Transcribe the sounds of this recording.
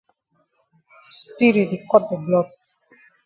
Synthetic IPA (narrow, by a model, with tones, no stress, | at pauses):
spi˦ɾi˨ti˨kɔ˦t̚dɛ˨blɔ˦˨d̚